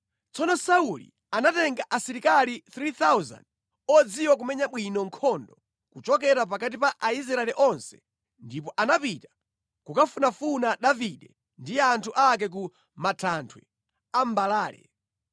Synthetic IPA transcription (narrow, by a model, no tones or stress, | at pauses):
t͡sɔnɔsaulḭ | anatɛŋɡaʔasiɾikaliθɾiθauza̰nd | ɔd͡ziwak̬umɛɲaɓwinɔŋkʰɔndɔ | kut͡ʃɔk̬ɛɾap̬akat̬ipaʔais̬ɾaɛlɛʔɔnsɛ̥ | ndipɔʔanapitḁ | kukafunafunaɗaviɗɛ | ndijɛantʰuʔak̬ɛk̬u | matʰantʰwɛ̰ | ambalaːlɛ̰